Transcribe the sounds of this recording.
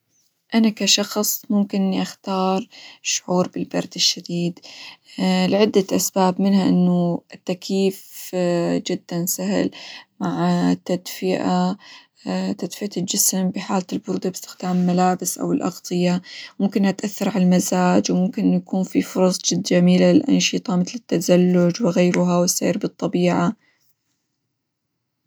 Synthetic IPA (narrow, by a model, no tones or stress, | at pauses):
ʔanakaʃɑxsˤmʊmkɪnʔɪnːiʔaxt̪ɑːɾˤʃʊʕuːɾbɪlbɑɾˤd̪ɪʃːad̪iːd̪ | lʕɪd̪ːaʔasbaːbmɪnhaʔɪ̰nːuɪt̪ːakiːf | d͡ʒɪd̪̥ːansahɪ̰lmaʕt̪ːad̪fɪʔa | t̪ad̪fɪʔald͡ʒɪsmbɪħaːltɪlbʊɾd̪abɪst̪ɪ̥xd̪̥aːmɪlmalaːbɪsʔa̰wɪlʔɑ̰ɣt̪ˤɨjamʊmkɪnʔat̪ʔaθːɑɾˤʕalalmazaːd͡ʒwmʊmkɪnʔjakuːnfifʊɾˤɑsˤd͡ʒɪd̪ːd͡ʒamiːlalɪlʔɑ̰nʃɨt̪ˤɑmɪθlɪt̪ːazalːʊd͡ʒwɪɣeːɾuɦawɪsḛːɾbɨt̪ˤːɑbiːʕa